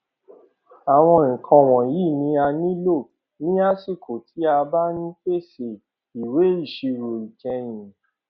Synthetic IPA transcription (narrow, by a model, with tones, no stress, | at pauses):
a˨w̃ɔ̃˧ĩ˨kʰã˧w̃ɔ̃˨ji˦˨nĩ˧˦a˧nĩ˦lo˦˨ | nĩ˦a˦si˦˨kʰo˨tʰi˨˦a˧ba˦nĩ˦fe˦˨se˨ | i˨we˨˦i˦˨ʃe˧ɾo˨i˨d͡ʒɛ̃˧j̃ĩ˨